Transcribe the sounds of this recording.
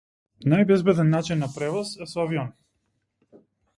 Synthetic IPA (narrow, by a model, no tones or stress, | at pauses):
najbɛzbɛd̪ɛnːat͡ʃinːapɾɛvɔsɛsɔaviɔni